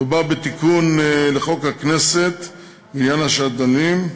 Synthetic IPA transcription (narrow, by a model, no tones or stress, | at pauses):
ebabet̪ikunleχo̞khakneset̪ | minjanhaʃad̪anim